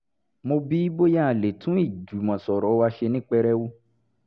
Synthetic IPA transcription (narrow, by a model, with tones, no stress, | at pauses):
mo˧bi˦bo˦jã˦a˨le˨tʰũ˦i˦˨d͡ʒu˨˦mɔ̃˨sɔ˨ɾɔ˨˦wa˧ʃe˧nĩ˦k͡pɛ˧ɾɛ˦wu˦